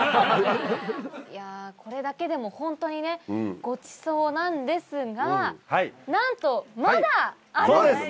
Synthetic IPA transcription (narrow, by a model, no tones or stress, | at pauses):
jakʰo̞ɾe̞d̪ake̞d̪e̞mo̞hõ̞nt̪o̞ɲ̟ine̞ɡ̥o̞t͡ɕi̥so̞ːnãnd̪e̞sɨɡahainãnt̪o̞maad̪a | aoːd̪es